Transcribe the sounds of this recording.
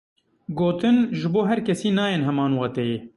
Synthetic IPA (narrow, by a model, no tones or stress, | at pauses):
ɡoːt̪ɨnʒɪboːɦɛɾkʰɛsiːnɑːjeːnɦɛmɑːnwɑːt̪ɛje